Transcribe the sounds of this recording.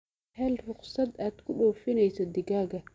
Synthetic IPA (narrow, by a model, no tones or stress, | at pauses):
hɛlrʊqsɐd̪aːd̪̥kʰʊɗɔːfɪnɛjsɐd̪ɪɡaːɣɐ